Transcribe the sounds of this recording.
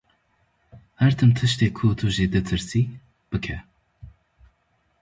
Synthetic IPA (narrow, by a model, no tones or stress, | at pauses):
hɛɾt̪ʰɨmt̪ʰɨʃt̪eːkʰut̪ʰuʒeːd̪ɨt̪ʰɨɾsiː | b̥ɨkʰɛ